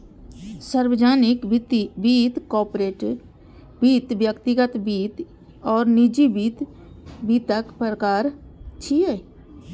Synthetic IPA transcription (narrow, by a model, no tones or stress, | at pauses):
səɾwəd͡ʒaːnɪkt̪biːt̪kɔːɾpɾeːʈ | biːt̪ʋjəkt̪ɪɡət̪biːt̪ | ɔːɾnɪd͡ʒibiːt̪ | biːt̪əkpɾəkaːɾt͡ʃʰie